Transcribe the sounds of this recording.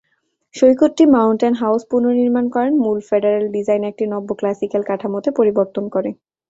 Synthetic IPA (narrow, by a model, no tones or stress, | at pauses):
ʃojkotːimawɳʈenɦawspuɾnoɾniɾmankɔɾenmulfeɖeɾelɖid͡ʑajnek̚ʈinɔbːoklasikalkaʈʰamot̪epoɾiboɾt̪onkɔɾe